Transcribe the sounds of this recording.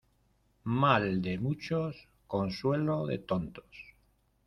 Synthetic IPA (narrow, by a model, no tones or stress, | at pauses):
mald̪emut͡ʃos | ko̞nswe̞loðḛt̪ont̪o̥s